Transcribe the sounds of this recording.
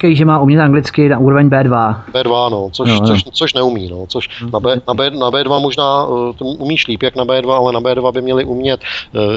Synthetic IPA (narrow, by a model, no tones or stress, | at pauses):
kajiʒɛmaːumɲɛt̪ʔaŋɡlɪt͡skɪnaʔuːɾovɛɲbɛːdvabɛːdvanot͡soosoʃt͡soʃnɛumḭːnot͡soʃnabɛːnabɛːnabɛːdvamoʒnaːt̪ʔumiːʃliːpjaknabɛːdvaalɛnabɛːdvabɪmɲɛlɪʔumɲɛt̪